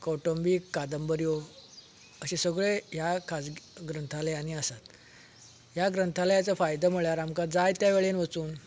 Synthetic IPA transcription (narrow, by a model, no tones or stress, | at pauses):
kɔʈombikːad̪əmbəɾjo | əɕẽsəɡɭejakʰad͡zɡɾənt̪ʰalejaniasat̪ | ɦjaɡɾənt̪ʰalajat͡safajd̪əm̤əɭjaɾamkad͡zajt̪jaʋeɭenʋət͡suːn